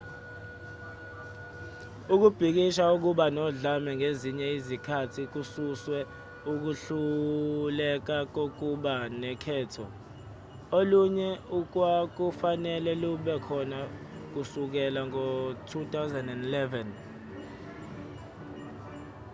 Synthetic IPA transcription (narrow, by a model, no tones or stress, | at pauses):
uk̬ub̥ʱik̬iʃauk̬uɓanɔɮamɛŋeziɲɛizikʰatʰik̬ususwɛ | uk̬uɬulɛk̬ak̬ok̬uɓanɛkʰɛːtʰɔ | oluɲɛuk̬wak̬ufanɛlɛluɓɛkʰɔna | k̬usuk̬ɛlaŋotʰutʰawzɛndɛndilɛvɛn